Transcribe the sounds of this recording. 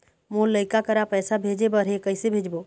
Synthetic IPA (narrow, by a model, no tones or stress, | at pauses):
moːləɪkakəɾapɛːsabʱeːd͡ʒebəɾekəisebʱeːd͡ʒbo